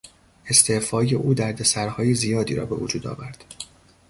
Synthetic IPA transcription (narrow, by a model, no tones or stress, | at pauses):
e̞st̪ʰe̞fɒːje̞ʔuːd̪æɾd̪e̞sæɾhɒːjizijɒːd̪iːɾɒ̰ːbe̞̰vod͡ʒuːd̪ɒ̰ːvæɾd̪̥